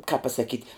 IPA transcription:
kɑːp pɐsɐˈkʲiːtʲ

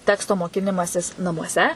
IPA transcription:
ˈtʲæːkstoː moːˈkʲɪnʲɪmɐsʲɪs nɐmuɔˈsʲɛ

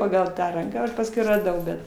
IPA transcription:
ˈpɑːɡɐlˠ ˈtɑː ˈrɐŋkɑː ˈɐʃ pɐsˈkʊɪ rɐˈdɐʊ ˈbʲɛt

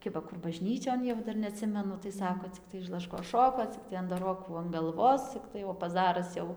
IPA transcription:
ˈkʲɪbɐ ˈkʊr bɐˈʒʲnʲiːt͡ʃʲoːn jɛʊ ˈdɐr nʲɛɐˈtʲsʲɪmʲɛnʊ tɐɪ ˈsɑːkoː t͡sʲɪkˈtɐɪ ɪʃ lˠɐˈʃkoːs ˈʃoːkoː ˈt͡sʲɪktɐɪ ɐndɐˈroːkuː ɐn ɡɐlˠˈʋoːs ˈt͡sʲɪktɐɪ oː pɐˈzɑːrɐs jɛʊ

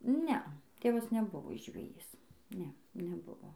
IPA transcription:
ˈnʲɛɐ ˈtʲeːʋɐs nʲɛˈbʊʋoː ʒʲʋʲɛˈjiːs ˈnʲɛ nʲɛˈbʊʋoː

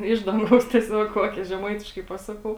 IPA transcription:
ˈɪʃ dɐŋˌɡɐʊs tʲiɛˈsʲoːk ˈkoːkʲeː ʒʲɛˈmɐɪtʲɪʃkɐɪ ˈpɑːsɐˌkɐʊ

